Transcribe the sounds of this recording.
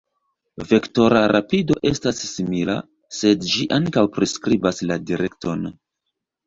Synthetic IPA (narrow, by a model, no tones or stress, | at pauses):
ve̞kto̞ɾaɾapido̞ʔe̞stasːimila̰ | se̞dd͡ʒiʔaŋkawpɾiskɾibasladiɾʔe̞k̚to̞n